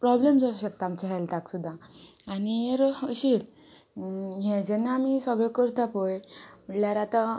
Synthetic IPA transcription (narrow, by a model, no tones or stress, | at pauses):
pɾɔblemd͡zɔɕək̚t̪aːmt͡ɕɛɦalt̪aksud̪ʱːaː | nieɾɕi | ɦɛ̃d͡ʑɛnːaːmisəɡɭɛkəɾt̪ʰapojm̤əʈljaɾat̪a